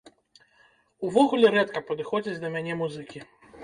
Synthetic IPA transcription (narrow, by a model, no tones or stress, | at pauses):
uvɔɣulʲɛɾɛt̪kɐpɐd̪ɨxɔd͡zʲit͡sʲd̪ɐmʲanʲɛmuzɨkʲi